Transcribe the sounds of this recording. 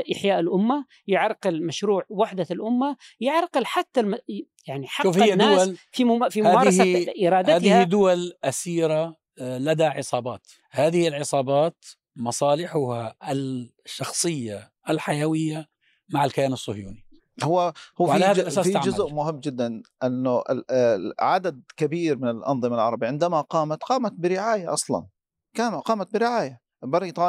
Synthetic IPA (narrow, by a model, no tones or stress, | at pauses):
ʔɪħjaːʔɪlʔʊmːa | jɪʕɾˤqɪlmaʃɾuːʕwaħd̪alʔʊmːa | jɪʕɾˤqɪlħat̪ːama | jaʕniħɑʃuːfhɪːdnːʊːwalfifimʊaːmaːɾˤɑsaʔɪɾˤɑːd̪aːd̪ɪhid̪ʊwalʔasiːɾa | lad̪aʕɪsˤɑːbɑ̰ːt̪ | haːðɪhɪlʕɪsˤɑːbɑːt̪ | mɑsˤɑːlɪħʊhaɪ | ʃːɑxsˤɨjːa | ʔɪlħajawɪjːa | maʕɪlkajaːnɑsˤːʊhjṵːni | hʊwːahʊːaʕalaaːðalʔaaːsfʕd͡ʒʊzʔmʊhɪmːd͡ʒɪd̪ːanʔɪnːʊʔɪ̰ʕad̪ad̪̚kabiːɾmɪnɪlʔɑ̰nðˤɨmalʕɑɾˤɑbiʕɪnd̪amaqɑːmat̪qɑːmat̪̚bɪɾɪʕaːjaʔɑsˤlɑ̰n | kaːnqɑːmat̪̚bɪɾɪʕaːja | bɪɾiːt̪ˤɑː